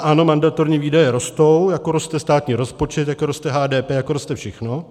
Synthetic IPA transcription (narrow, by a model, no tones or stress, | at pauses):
ʔano̞mandat̪o̞ɾɲiːviːdajɛɾo̞st̪o̞wjakoɾost̪ɛst̪aːt̪ɲiːɾospo̞t͡ʃɛt̪jakoɾost̪ɛɦaːdɛːpɛːjakoɾost̪ɛfʃɛxno̞